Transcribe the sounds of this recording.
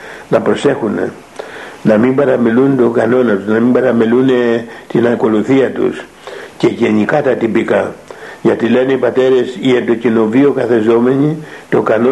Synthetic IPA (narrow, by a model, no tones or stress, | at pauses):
nɐpɾo̞se̞xunḛ | nɐmimbɐɾɐmelunt̪o̞ɡɐno̞nɐt̪uznɐmimbɐɾɐmilunet̪inɐko̞luθiɐt̪ṵs | ce̞ʝe̞ɲikɐt̪ɐt̪ipikɐʝɐt̪ile̞neipɐt̪e̞ɾe̞siend̪o̞cino̞vio̞kɐθe̞zo̞me̞ɲit̪o̞kɐno